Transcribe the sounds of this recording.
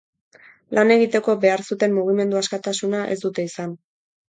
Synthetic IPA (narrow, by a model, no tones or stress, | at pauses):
lʔane̞ɣit̪e̞ko̞be̞aɾsut̪e̞mmuɣ̞ime̞nd̪uaskat̪asunaʔe̞̰zd̪ut̪e̞isan